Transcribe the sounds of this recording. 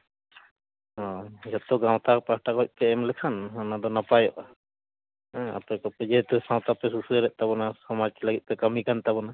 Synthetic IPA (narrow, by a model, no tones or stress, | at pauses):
ɔd͡ʒɔt̪ɔɡaw̃t̪akpasʈakɦɔc̚ˀpɛɛmlɛkʰananad̪ɔnapajɔʔa | a̰t̪ɔkɔpɛd͡ʒɛɛt̪usãw̃t̪apɛsusuɾɛʔ̚t̪aβɔnasɔmad͡ʒt̪ɛləɡit̪̚ˀpɛkamikant̪aβɔna